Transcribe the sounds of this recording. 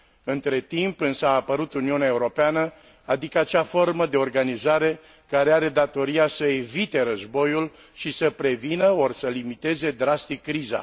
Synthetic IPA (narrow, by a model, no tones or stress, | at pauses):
ɨnt̪ɾe̞t̪impɨnsaːpəɾut̪uniuneaeuɾo̞peanə | ad̪ikəat͡ʃafo̞rməd̪e̞o̞rɡanizaɾe̞ | kaɾe̞aɾe̞d̪at̪o̞ɾiasəevit̪e̞ɾəzbo̞jul | ʃisəpɾe̞vinəo̞rsəlimit̪e̞ze̞d̪ɾast̪ikːɾiza̰